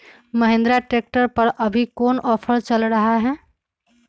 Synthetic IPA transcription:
məɦẽnd̪ɾaʈek̚ʈəɾpəɾʔəbʱikoːnɔːpʰəɾt͡ʃəlɾəɦaɦɛː

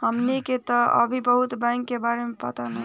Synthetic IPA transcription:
həmniket̪ɔə̰bʱibəɦut̪bãŋkːebaɾemepət̪ənə

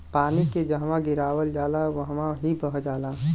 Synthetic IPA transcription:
paːniked͡ʒɐɦmãɡɪɾaːwəld͡ʒaːlaʋəɦmãɦibəɦd͡ʒaːlaː

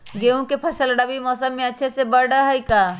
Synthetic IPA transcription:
ɡeũkepʰəʃəlɖəbimɔːsəmːẽətːt͡ʃʰesebəɾɖəɦəika

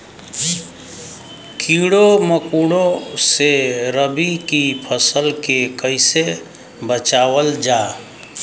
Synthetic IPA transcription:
kʰiɽoməkuːɽõseɾəbikipʰəsəlkekəɪse | bət͡ʃaːwəld͡ʒaː

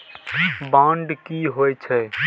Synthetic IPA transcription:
bãːɳɖkiɦoɛt͡ʃʰɛ

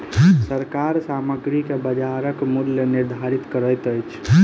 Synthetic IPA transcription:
səɾkaɾsaməɡɾikebəd͡ʒaɾəkmuljəniɾd̪ʱaɾit̪kəɾəjt̪əjt͡ʃʰ

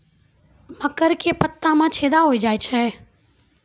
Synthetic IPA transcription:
məkəɾkepət̪ːãmãt͡ʃʰeːd̪aɦoid͡ʒaːet͡ʃʰɛː

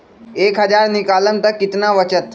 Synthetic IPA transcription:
eːkɦəd͡ʒaɾnikaːlənt̪əkːɪt̪naʋət͡ʃət̪

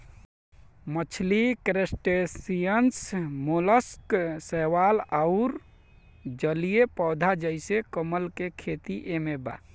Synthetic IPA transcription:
mət͡ʃʰlikɾesʈesijənsmoləsksəʋalaʊɾ | d͡ʒəlijepɔd̪ʱad͡ʒəɪsekəməlkekʰet̪iʔemeba̰

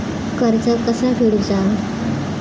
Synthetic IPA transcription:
kəɾd͡zəkəsafeɽud͡za

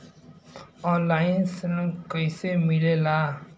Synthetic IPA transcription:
ɔlajnsenmkʌjsemilela

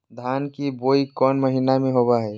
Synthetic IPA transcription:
d̪ʱaːnkiboːikɔːnməɦinamẽɦobaɦɛː

